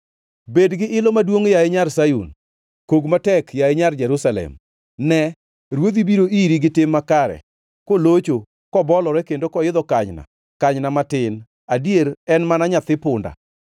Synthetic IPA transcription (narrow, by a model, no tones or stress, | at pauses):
bedɡɪʔɪlɔmadwoŋjaeɲarsajṵn | koɡmatɛkjaeɲard͡ʒɛɾusalɛ̰m | nɛ | ɾwod̪ibiɾoʔiɾiɡɪtɪmːakaɾɛ̰ | kolot͡ʃo | kɔbɔlɔɾɛkendokɔjɪd̪ɔkaɲna̰ | kaɲnamatɪn | adjeɾɛnmanaɲat̪ɪpʊnda̰